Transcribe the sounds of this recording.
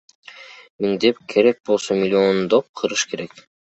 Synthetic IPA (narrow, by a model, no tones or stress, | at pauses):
miŋd̪e̞p̚kʰe̞ɾe̞k̚bolˠsomʲɪlʲiond̪op̚qʰɯɾɯʃkʰe̞ɾe̞k